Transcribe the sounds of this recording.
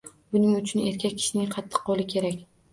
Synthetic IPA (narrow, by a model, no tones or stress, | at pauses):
bʊnɪŋʊt͡ʃʰʊne̞ɾkʲak̚ʲʰɪ̥ʃnɪŋqʰɑt̪ʰːɨ̥qːɒlˠɪkʲʰe̞ɾakʲ